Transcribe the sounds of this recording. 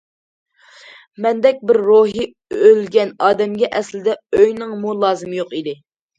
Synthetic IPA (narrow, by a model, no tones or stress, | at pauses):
mɛnd̪ɛk̚ʲbɪɾːoɦi | ølɡʲɛnɑːd̪ɛmɡʲɛʔɛslɪd̪ɛøjnɨŋmulˠɑːzɨmɨjoqid̪ɪ